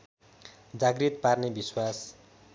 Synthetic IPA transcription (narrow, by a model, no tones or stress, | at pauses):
d͡zaɡrit̪parnebiswas